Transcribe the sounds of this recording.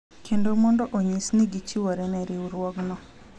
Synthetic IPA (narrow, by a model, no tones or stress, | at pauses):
kʰendomɔndɔʔoɲisniɡit͡ʃiwaɾɛnɛɾɪuɾwɔɡnɔ